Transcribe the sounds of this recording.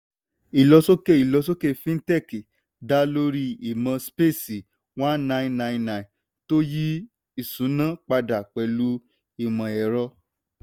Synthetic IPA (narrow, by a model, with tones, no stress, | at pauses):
i˨lɔ˧so˦ke˦˨i˨lɔ˧s̬o˦ke˦˨fĩ˦n̩˦tɛ˦˨ki˨ | da˨˦lo˧ɾi˧i˨mã˧spe˦˨si˨ | wã˦n˦nã˦ĩ˨nã˧ĩ˧nã˧˨ĩ˨ | to˦ji˦ | i˨sũ˨˦nã˦k͡pa˧da˨k͡pɛ˨lu˧˦ | i˨mã˨ɛ˨ɾɔ˧